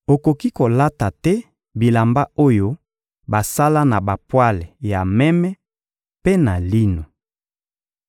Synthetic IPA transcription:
o˨ko˨ki˦ko˨la˦ta˨tɛ˦ | bi˨la˨mba˦o˦jo˦ | ba˨sa˦la˦na˨ba˨pwa˦le˨ja˨mɛ˦mɛ˦ | pe˦na˨li˦no˨

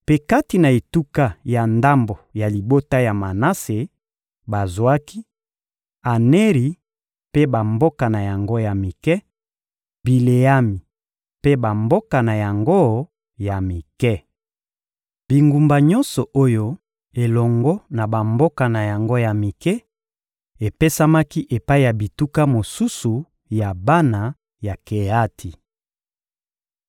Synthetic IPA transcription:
pe˦ka˦ti˨na˨e˨tu˦ka˦ja˨nda˦mbo˨ja˨li˨bo˦ta˦ja˨ma˨na˦se˨ | ba˨zwa˦ki˦ | a˨ne˦ʁi˨ | pe˦ba˨mbo˦ka˨na˨ja˨ŋɡo˦ja˨mi˨kɛ˦ | bi˨le˨ja˦mi˨ | pe˦ba˨mbo˦ka˨na˨ja˨ŋɡo˦ | ja˨mi˨kɛ˦ | bi˨ŋɡu˨mba˨ɲɔ˦nsɔ˨ʔo˦jo˦ | e˨lɔ˨ŋɡɔ˦na˨ba˨mbo˦ka˨na˨ja˨ŋɡo˦ja˨mi˨kɛ˦ | e˨pe˦sa˦ma˦ki˦ʔe˨pa˦i˦˨ja˨bi˨tu˦ka˦mo˨su˦su˨ | ja˨ba˦na˨ | ja˨ke˨a˦tʰi˨

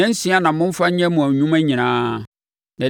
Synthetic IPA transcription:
ɛ̃˦n̩˦sĩ˦a˦nã˨mʊ̃˦m̩˦fa˦ɲ˦ɲɛ̃˦mʊ̃˨æ̃˨ɲũ˦mæ̃˦ɲĩ˨nãː˦ | nã˨

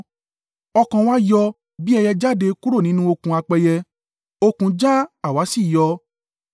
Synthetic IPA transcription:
ɔ˧kã˧wa˦jɔ˧ | bi˦ɛ˧jɛ˧d͡ʒa˦de˧ku˦ɾo˦˨nĩ˨˦nũ˦o˧kũ˧a˧k͡pɛ˧jɛ˧ | o˧kũ˧d͡ʒa˦a˦˨wa˨˦si˦˨jɔ˧

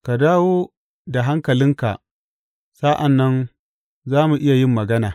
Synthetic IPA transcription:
ka˨daː˦woː˦ | da˨ɦa˦ŋkɐ˨lɪ˦ŋka̰˨ | sa˦ʔa˨nːɐ˦n | zaː˦mu˨ʔɪ˦ja˨jɪ˦mːɐ˨ɡɐ˦naː˨

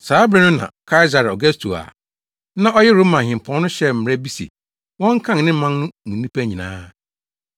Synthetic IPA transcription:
saː˨˦bɾɛ˦nʊ̃˦nã̰˨kʰa˦ɪ˦za˨ɾɔ˨ɡɛ˦stʰu˨a̰˨ | nã˦ʔɔ˦jɛ˦ɾo˦mã˨hɪ̃˨m˨pʰɔ̃˨˦n˦nʊ̃˦ɕɛ˦m̩˨m˨ɾɛ˦bi˦sḛ˨ | wɔ̃˦ŋ̩˦kʰã˦ŋ˨nɪ̃˦mã˦n˦nʊ̃˦mũ˨nĩ˦pʰæ˦ɲĩ˨nã̰ː˦

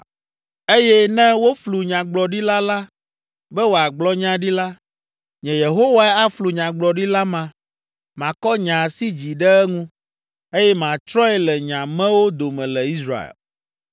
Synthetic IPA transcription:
e˦jɛ˦nɛ̃˦wo˦flu˨ɲã˨ɡ͡blɔ˨ɖi˦la˦la˦ | bɛ˦wo˨a˨ɡ͡blɔ˦ɲã˦ɖi˦la˦ | ɲɛ̃˨je˨ɦo˦wa˦ɛ˦a˦flu˨ɲã˨ɡ͡blɔ˨ɖi˦la˦mã˨ | mã˨kɔ˦ɲã˨si˦d͡ʑi˨ɖɛ˦ɛ˦ŋũ˦ | e˦jɛ˦mã˨t͡ʃɾɔ̃˦ɛ˦lɛ˨ɲã˨mɛ̃˦wo˦d̪o˨mɛ̃˨lɛ˨i˦sɾa̰˦˨ḛ˨l

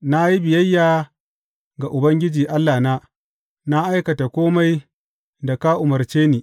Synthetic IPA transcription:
na˦ji˦bɪ˨jɐ˦jːaː˨ | ɡa˨ʔʊ˨bɐ˦ŋɡʲɪ˦d͡ʒiː˨ʔa˦lːaː˨na˦ | na˦ʔa˦jkɐ˨ta˨kʷoː˦ma˦j | da˨ka˦ʔʊ˨mɐ˨rt͡ʃeː˦niː˨

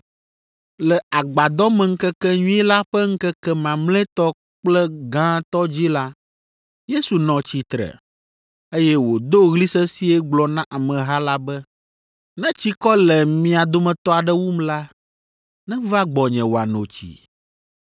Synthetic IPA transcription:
lɛ˨ʔa˨ɡ͡ba˨d̪ɔ˦mɛ̃˨ŋ̩˦kɛ˦kɛ˦ɲũ˦ɛ˦la˦ɸɛ˦ŋ̩˦kɛ˦kɛ˦mã˨mlɛ̃˦t̪ɔ˦ | k͡plɛ˦ɡã˦t̪ɔ˦d͡ʑi˦la˦ | je˦su˨nɔ̃˨t͡ɕi˨t̪ɾɛ̰˨ | e˦jɛ˦wo˨d̪o˦ɣli˦sɛ˦si˦ɛ˦ɡ͡blɔ˨nã˦ʔa˨mɛ̃˨ɦa˦la˦bɛ˦ | nɛ̃˦t͡ɕi˦kɔ˦lɛ˨mĩ˦a˨d̪o˦mɛ̃˨t̪ɔ˦a˨ɖɛ˦wu˦mla˦ | nɛ̃˦va˦ɡ͡bɔ˨ɲɛ̃˨wo˨a˨nõ̰˨t͡ɕḭ˨

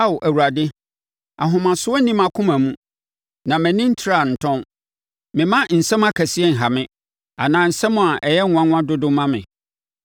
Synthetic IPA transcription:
a˦wʔæ˨wu˨ɾa˨dɪ˦ | a˨ɦʊ̃˨mã˨sʊ˦ɔ˦nĩ˦mã˨kʰʊ̃˦mã˨mũ˦ | nã˨mæ̃˨nĩ˦n̩˦tʰi˨ɾa˦˨n̩˨tʰɔ̃˦n | mɪ̃˨mã˦n̩˨sɛ̃˦m˦a˦kʰæ˨si˦ɛ˦˨ŋ̩˨ɦa˨mɪ̃˦ | a̰˨nãː˨n̩˨sɛ˦mʊ̃˨a˨ʔɛ˨jɛ˦ŋʊ̃˨˦ã˦ŋʷʊ̃˦ã˦dʊ˦dʊ̃˦mã˦mɪ̰̃˨

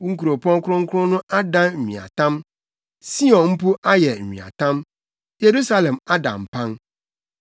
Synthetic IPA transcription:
ŋ̩˦ku˨ɾo˨pʰɔ̃˦ŋkʰʊ̃˦ŋ̩˦kʰʊ˦ɾʊ̃˦nʊ̃˦ʔa˦dã˦nm̩˨ɲḭ̃˨a̰˨tʰã˦m | si˦ɔ̃˨nm̩˦pu˦ʔa˦jɛ˨m̩˨ɲḭ̃˨a̰˨tʰã˦m | je˨ɾu˦sa˦lɛ̃˨ma˦dã̰˨m̩˨pʰã˦n

